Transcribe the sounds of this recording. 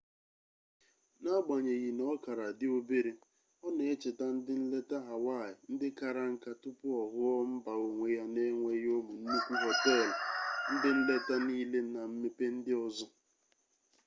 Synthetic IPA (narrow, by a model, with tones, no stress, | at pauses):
na˦ɡ͡ba˨ɲe˨ɣi˨nɔ˦ka˨ɾa˨dɪ˦o˦be˦ɾe˦ | ɔ˦ne˨e˦t͡ʃe˨ta˦n̩˦dɪ˦n̩˦le˦ta˦ɦa˨wa˦˨ɪ˨n̩˦dɪ˦ka˨ɾa˦ŋ̩˦ka˦tʊ˦pʊ˦ɔ˨ɦʊ˦ɔ˦m̩˦ba˨o˨ŋʷe˨ja˦ne˦ŋʷe˦jo˦mu˨n̩˦nu˦kʷu˦ɦɔ˨tɔ˦˨la˨n̩˦dɪ˦n̩˦le˦ta˦niː˦le˦na˨m̩˦me˦pe˦n̩˦dɪ˦ɔ˦zɔ˦